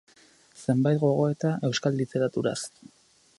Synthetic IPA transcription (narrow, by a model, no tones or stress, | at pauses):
se̞mbajt̪̚ɡo̞ɣ̞o̞e̞t̪aʔe̞wskallit̪e̞ɾat̪uɾa̰s